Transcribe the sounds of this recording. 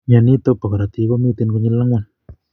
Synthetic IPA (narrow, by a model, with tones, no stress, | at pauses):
ɲa˧˨ni˦t̪o˦pa˨ka˨ɾa˨t̪i˧ko˦mi˦t̪e˧nko˧ɲi˧la˦ŋa˧˨n